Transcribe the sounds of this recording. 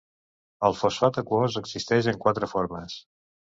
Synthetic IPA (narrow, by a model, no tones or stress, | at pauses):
əlˠfosfat̪əkwozəɡzist̪ɛʒəŋkwat̪ɾəfoɾməs